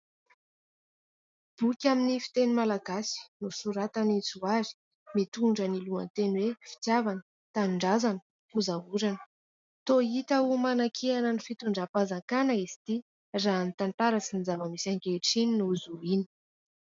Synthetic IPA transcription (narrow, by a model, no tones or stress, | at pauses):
b̥ukʲaminifi̥t̪enimalaɡasi̥nusuɾat̪anit͡suazi̥ | mit̪uɳɖ͡ʐənilua̰nt̪enwefi̥t̪javanə | t̪anɳɖ͡ʐazanə̥ | uzaɦuɾanə̥ | t̪oit̪aumanakʰianənifit̪uɳɖ͡ʐapazaŋkanəizi̥t̪i | raːnit̪ant̪aɾasinizavəmisaŋkeʈ͡ʂininuzuini̥